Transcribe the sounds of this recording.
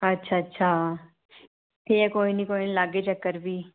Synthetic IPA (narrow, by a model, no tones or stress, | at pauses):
ətːʃʰaətːʃʰaː | t̪ʰeɛkoːinikoːinilaɡet͡ʃəkːəɾbʱiː